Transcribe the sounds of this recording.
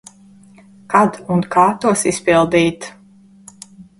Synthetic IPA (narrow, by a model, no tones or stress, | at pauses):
kad̪unkʰaːt̪uɔsispilˠd̪iːt̪